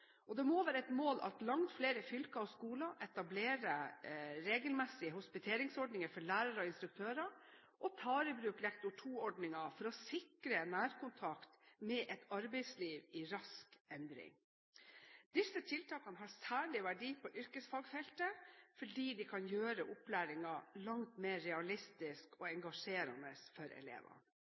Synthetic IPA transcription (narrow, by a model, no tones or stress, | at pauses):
ʔɔd̪ɛmoːʋæːɾəɛt̪moːlʔɑ̰t̪lɑŋt̪fleːɾəfʏlkɑɔskuːlɑʔɛt̪ɑbleːɾəɾeːɡəlmɛsːɪəhʊspɪt̪ʰeːɾɪŋsɔɖnɪŋəfɔɭæːɾɑɾɔɪnst̪ɾʉk̚t̪ʰøːɾɑ | ʔɔt̪ʰɑːɾəbɾʉːklɛkt̪ʊʈʰuːɔɖnɪŋɑfɔɾɔsɪkɾənæːɾkʊnt̪ʰɑkt̪mɛːʔɛt̪ɑɾbɛɪsliːʋɪɾɑskɛnd̪ɾɪ̰ŋ | d̪̥ɪsːət̪ʰɪlt̪ʰɑːkɑnəɦɑɾsæːɭɪʋæɖiːpʰɔʔʏɾkəsfɑːɡfɛlt̪əfɔɖiːd̪ɪkʰɑnjøːɾəʔʊplæːɾɪŋɑlɑŋt̪meːɾːɛɑlɪst̪ɪskɔɛŋɡɑʂeːɾɑ̰nəsfɔɾɛ̰lḛːʋɑ̰